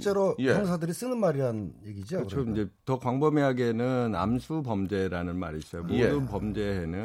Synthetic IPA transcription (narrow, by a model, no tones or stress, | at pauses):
t͡ɕ͈eɾoʌŋs̬ʰadɯɾis͈ɯnɯnmaɾiɾanɯnje̞ɡid͡ʑiɯt͡ɕʰoid͡ʑe̞tʌkwaŋbʌmeɦaɡenɯna̰msʰupʌmd͡ʑe̞ɾanɯnma̰ɾiːs͈ʌjomodɯnpʌmd͡ʑe̞ɦenɯ